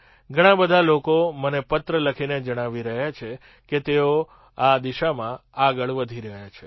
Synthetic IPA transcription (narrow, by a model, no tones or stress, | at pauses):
ɡʱəɽ̃ãbəd̪ʱalokomənepət̪ɾələkʰined͡ʒəɽ̃aʋiɾəɦjat͡ʃʰe | ket̪eo | ad̪iʃamãaɡəɭʋəd̪ʱiɾəɦjat͡ʃʰe